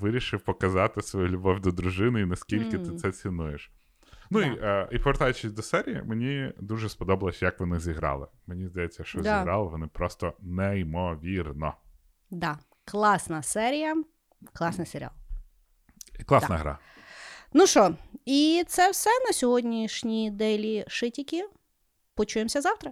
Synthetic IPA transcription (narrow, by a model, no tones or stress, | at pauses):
ʋɪɾʲiʃɪwpɔkɐzɑt̪ɪsʋɔjulʲʊbɔwʲd̪ɔd̪ɾʊʒɪnɪinɐsʲkʲilʲkɪt̪ɪt̪sɛt͡sʲinujeʃ | nuiʔipɔʋeɾt̪ɑjʊt͡ʃɪsʲd̪ɔsɛɾʲijḭmenʲid̪uʒɛspɔd̪ɔbɐlˠɐsʲjɐkʋɔnɪzʲiɦɾɑ̰lˠɪ̰menʲizd̪ɐjɛt͡sʲːɐʃt͡ʃɔzʲiɾɑlˠɪʋɔnɪpɾɔst̪ɔnɛimɔʋʲirnɔ̰ | d̪ɑ | klˠɑsnɐsɛɾʲijɐ | klˠɑsnɪseɾʲɪ̰ɑ̰lˠ | iklˠɑsnɐɦɾa̰ | nuʃɔit̪sɛwsɛnɐsʲɔɦɔdʲnʲiʃnʲid̪ɛlʲiʃɪtʲikʲi | pɔt͡ʃujemsʲɐzɑwt̪ɾɐ